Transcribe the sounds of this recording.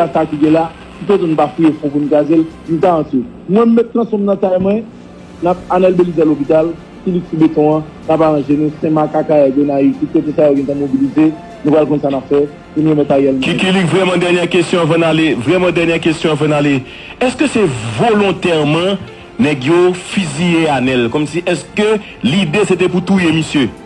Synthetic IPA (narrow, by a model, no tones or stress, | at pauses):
asakiɡɛ̃la | kipot̪̬unũpafiefɔ̃punukazel | nũtaãti | mwɛ̃m̩ːɛt̪̚kɐ̃sɔ̃mnɐ̃t̪ajmwɛ̃ | nap̚anɛlbelizɛlopit̪al | kiliksubet̪ɔ̃ã | napaʁãʒenũsɛ̃makakajadonait̪ut̪̚kot̪esajoɡɛ̃t̪ãmobilize | nũpalkɔ̃nsanapfɛ | ũnɛmɛ̃t̪ajɛlmkikilikvʁɛmãd̪ɛʁnjɛʁkɛst̪jɔ̃avãnalevʁɛmãd̪ɛʁnjɛkɛst̪jɔ̃avãnale | ɛskøsɛvolɔ̃t̪ɛʁmɐ̃ | nɛɡjofizieanɛlkɔmsiʔɛskø | lid̪eset̪ɛput̪ujemisjø